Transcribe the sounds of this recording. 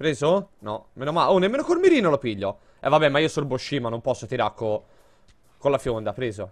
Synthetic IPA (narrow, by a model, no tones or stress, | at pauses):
pɾeːzonɔmeːnomaonːemːeːnokoɾmeɾiːnolopiʎːo | ɛ̰vːabɛmaiːosolboʃːiːmanompɔsːot̪iɾaɾkːo | kolafjond̪apɾeːzo